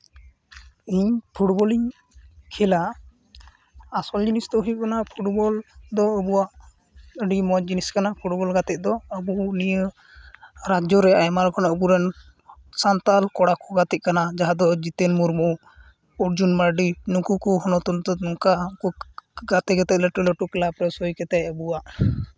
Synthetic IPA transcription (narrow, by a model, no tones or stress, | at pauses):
iɲpʰuʈbɔliɲ | kʰɛla | sɔld͡ʒinisd̪ɔɦuiʔ̚kanapʰuʈbɔld̪ɔəbuwaʔ | əɖimɔd͡ʒiniskanapʰuʈbɔlɡat̪ɛt̚d̪ɔəbunijə | ɾad͡ʒɔɾɛajmalkɔnaəbuɾɛn | sant̪alkɔɽakɔɡat̪ɛc̪̚kanad͡ʒaɦad̪ɔd͡ʒit̪ɛnmuɾmuʔu | uʈd͡ʒunmaɾɖinukukɔɦɔnɔt̪unt̪ɔnɔŋkakuɡat̪ɛɡɛt̪ɛt̪̚ləʈələʈuklapɾɛsɔjkɛt̪ɛʔ̚əbuwaʔ